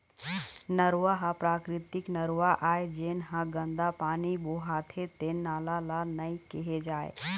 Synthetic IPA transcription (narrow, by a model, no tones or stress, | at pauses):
nəɾʋaɦapɾaːkɾɪt̪ɪknəɾaʔaːed͡ʒenɦãɡə̃nd̪apaːniboɦaːt̪ʰet̪enaːlalanəĩkiɦed͡ʒaːḛ